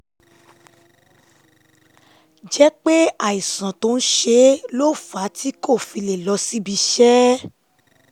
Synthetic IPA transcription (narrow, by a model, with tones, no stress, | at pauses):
d͡ʒɛ˦k͡pe˦a˨i˨sã˨to˧˦ñ̩˦ʃe˧˦lo˦˨fa˨˦tʰi˦ko˦˨fi˧le˨lɔ˧si˦bi˧ʃɛ˦